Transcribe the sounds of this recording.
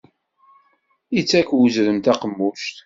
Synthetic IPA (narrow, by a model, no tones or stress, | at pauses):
it͡sːækwəzɾəmt̪æqəmːuʃt̪